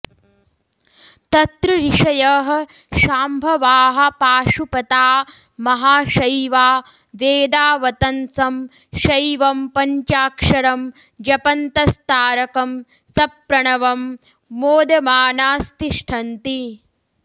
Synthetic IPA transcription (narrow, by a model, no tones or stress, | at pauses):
t̪ɐt̪ɾuɾiʂɐjɐɦɐ̆ | ʃaːmbʱɐʋaːɦɐ̆paːʂupɐt̪aː | mɐɦaːʂɐjʋaː | ʋeːd̪aːʋɐt̪ɐnsɐm | ʃɐjʋɐmpɐɲt͡ʃaːkʂɐɾɐm | d͡ʒɐpɐnt̪ɐst̪aːɾɐkɐm | sɐpɾɐɳɐʋɐmː | oːd̪ɐmaːnaːst̪iʂʈʰɐnt̪i